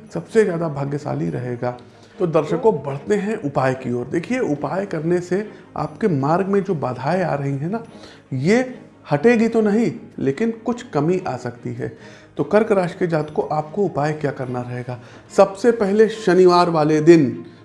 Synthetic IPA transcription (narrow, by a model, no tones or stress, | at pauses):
sɐbsezjaːd̪abʱɐɡjəsa̰ːliɾɐ̰ɦeːɡaː | t̪od̪ɐɾʃəkõbɐɽ̤t̪eɦɛ̃ʔʊpaːjkiɔːɾd̪eːkʰieʊpaːjkɐɾnese | a̰ːpkemaːɾɡmẽd͡ʒoːbaːd̪ʱaːea̰ːɾɐɦiɦɛ̃na | je | hɐʈeːɡit̪onɐɦĩleːkɪnkʊt͡ʃʰkɐmiʔaːsɐkt̪iɦɛ̰ː | t̪oːkɐɾkɾaːʃked͡ʒaːt̪koʔaːp̚koʊpaːjkjaːkɐɾnaɾɐɦeːɡaː | sɐbsepɛɦleʃɐnɪʋaːɾʋaːled̪ɪn